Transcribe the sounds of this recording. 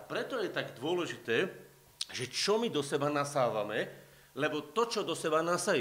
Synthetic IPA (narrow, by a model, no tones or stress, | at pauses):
apɾɛt̪ɔjɛt̪aɡd̪ʊɔlɛʒit̪ɛː | ʒɛt͡ʃɔmid̪ɔsɛbanasaːʋamɛ | lɛbɔt̪ɔt͡ʃɔd̪ɔsɛbanasajɛ